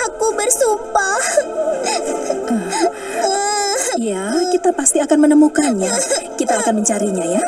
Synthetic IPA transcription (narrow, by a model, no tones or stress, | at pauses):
akubərsumpah | ə | əjakit̪apast̪iakanmənəmukanjakit̪aːkanməɲt͡ʃaɾiɲaja